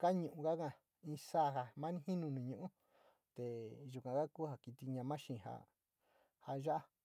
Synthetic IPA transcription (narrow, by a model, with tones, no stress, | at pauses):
ka˦ɲũ˨ʔũ˧ka˦kã˧˨ | ĩ˧saː˦˨ɦa˧mã˦nĩ˦hĩ˦nũ˧nĩ˨ɲũ˧˨ʔũ˦ | t̪e˨ʒu˨kʷã˨ka˦kuː˦ha˧ki˧t̪i˧ɲã˧mã˦ʃĩ˨ha̰˧˨ | ha˧ʒa˦ʔa˦